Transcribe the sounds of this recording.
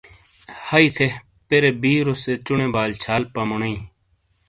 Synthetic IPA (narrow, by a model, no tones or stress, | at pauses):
hɐit̪ʰe | peɾebiːɾoset͡ʃʊɳẽːbaːlt͡ɕʰaːlpɐmʊnɐĩː